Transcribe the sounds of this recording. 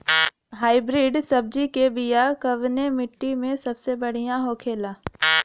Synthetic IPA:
ɦaːɪbɾiːɖsɐb̚d͡ʒikebijakɐʋnemɪʈːimẽsɐbsebɐɽ̤ijãɦokʰeːlaː

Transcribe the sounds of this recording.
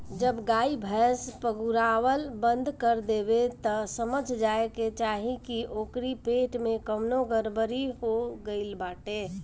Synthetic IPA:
d͡ʒəbɡaibʱɛspəɡuɾawəlbənd̪ʱkəɾd̪ebet̪ɔsəməd͡ʒʱd͡ʒaeket͡ʃaɦikiʔokɾipeʈmekəmnoɡəɾbəɾiɦoɡəɪlbaʈe

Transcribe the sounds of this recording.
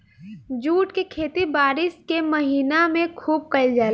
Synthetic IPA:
d͡ʒuːʈkekʰeːt̪ibaːɾɪskeməɦiːnamẽkʰuːb̚kɐid͡ʒaː

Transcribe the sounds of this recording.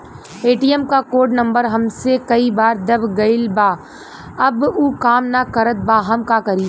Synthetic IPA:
eːʈijɛmkakoːɖnɐ̃mbəɾɦɐmsekɐibaːɾd̪ɐbɡɐɪlbaː | ɐbuːkaːmnakɐɾət̪̚baːɦɐmkakɐɾiː

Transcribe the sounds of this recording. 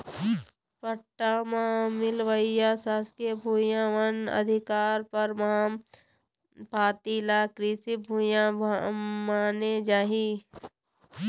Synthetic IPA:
pəʈːamãmɪlʋəjasaːskebʱuːjãʋənə̰d̪ʱɪkaːɾpəɾmam | paːt̪iːlaːkɾisibʱuːjã | maːned͡ʒaːɦiː

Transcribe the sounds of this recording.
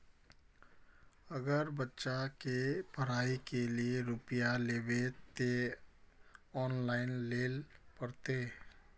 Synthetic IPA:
ɐɡəɾbətːʃakepəɾaːikelieɾʊpijaleːbet̪e | ɔːnlaːɪnleːlpɐɾt̪eː

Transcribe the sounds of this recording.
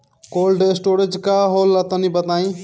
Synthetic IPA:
kolɖesʈoɾed͡ʒkaɦolət̪ənibət̪aĩ

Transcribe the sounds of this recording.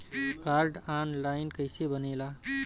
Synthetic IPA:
kaɾɖanlaɪnkəjsebənela

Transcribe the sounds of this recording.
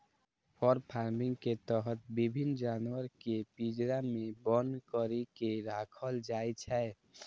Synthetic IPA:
pʰɔɾpʰaɾmɪ̃ŋɡket̪əɦət̪̚bibʱind͡ʒanwəɾkepid͡ʒɾamebənkəɾikeɾakʰəld͡ʒaːjt͡ʃʰɛ

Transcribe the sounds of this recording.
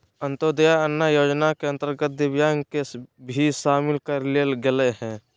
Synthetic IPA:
ə̃nt̪od̪jaənːajoːd͡ʒnakeə̃nt̪əɾɡət̪̚d̪ɪʋjaːŋkebʱiʃaːmɪlkəɾlelɡeleɦɛ̃ː

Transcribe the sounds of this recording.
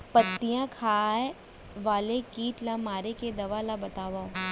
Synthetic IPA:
pɐt̪ːijãkʰaːe | ʋaːlekiːʈlamaːɾeked̪ɐʋalabɐt̪aːʋa

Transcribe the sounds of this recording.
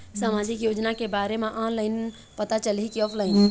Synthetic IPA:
saːmaːd͡ʒʱɪkjoːd͡ʒnakebaːɾemẽʔãləɪn | pət̪at͡ʃəlikiɔːpʰlaɪni

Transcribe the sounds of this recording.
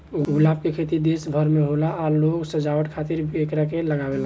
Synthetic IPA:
uuɡlap̚kekʰet̪id̪esbʱəɾmeɦolaaloɡsəd͡ʒawəʈ̪kʰat̪iɾekɾakeləɡabela

